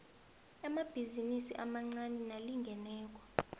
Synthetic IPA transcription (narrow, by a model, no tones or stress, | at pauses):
amab̥ʱizinisḭʔamaŋ͡ǀaninaliŋɡʱɛnɛːk̬ʼɔ̥